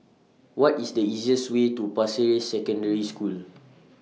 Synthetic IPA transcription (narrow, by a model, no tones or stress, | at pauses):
wɔtisdəiziəswetupasiɹesɛkɔ̃ndəɹiskul